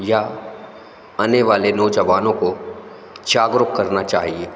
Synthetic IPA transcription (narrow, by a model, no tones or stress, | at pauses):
ja | aneʋaːlenoːd͡ʒəʋaːnõko | d͡ʒaːɡɾʊkkːɐɾnat͡ʃa̰ːɦieː